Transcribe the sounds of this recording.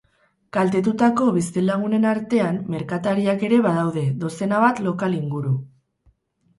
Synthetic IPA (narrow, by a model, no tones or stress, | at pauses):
kalt̪e̞t̪̬ut̪ako̞βist̪ilaɣ̞une̞naɾt̪e̞amːe̞ɾkat̪aɾiake̞ɾe̞βaðawðe̞ðo̞se̞naβat̪lo̞kaliŋɡuɾu